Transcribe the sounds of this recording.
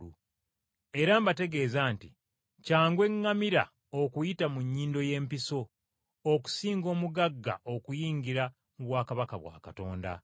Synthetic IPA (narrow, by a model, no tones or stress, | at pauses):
u | e̞ɾaːmbate̞ɡe̞ːzaːnti | caːŋɡwe̞ŋːamiɾa̰ | okujitamuɲːiːndo̞je̞ːmpiso̞ː | ku̥siːŋɡo̞ːmuɡaɡːa̰ʔo̞kujiːŋɡiɾa | muβwaːkaβakaβwa̰ːkato̞ːnda̰